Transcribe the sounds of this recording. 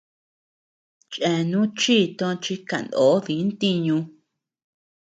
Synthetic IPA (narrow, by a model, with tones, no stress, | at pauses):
t͡ʃʔẽ˧nũ˦t͡ʃiː˦˨t̪õ˧t͡ʃi˧ka˨nd̪oː˨˦βi˨˦nt̪i˧ɲũ˧